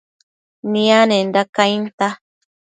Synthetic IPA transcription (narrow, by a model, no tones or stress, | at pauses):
nĩanẽndakajnt̪a